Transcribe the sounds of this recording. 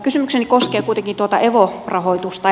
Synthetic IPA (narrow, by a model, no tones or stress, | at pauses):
kysymyksenikoskeːkuit̪eŋkint̪uot̪ɑ̰eʋorɑhoit̪ust̪ɑ